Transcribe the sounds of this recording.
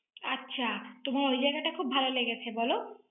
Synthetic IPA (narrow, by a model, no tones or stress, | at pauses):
atːɕʰat̪omaɾojd͡ʑajɡaʈakʰubʱaloleɡet͡ɕʰebɔlo